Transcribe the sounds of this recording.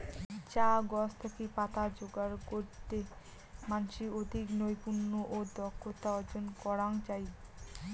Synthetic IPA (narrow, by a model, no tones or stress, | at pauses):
t͡ɕaɡɔst̪ʰakipat̪ad͡ʑoɡaɾkoɾt̪e | manʃiod̪ʱiknojpuɾnoʔod̪ɔkʰːot̪aɔd͡ʑonkɔɾaŋt͡ɕaj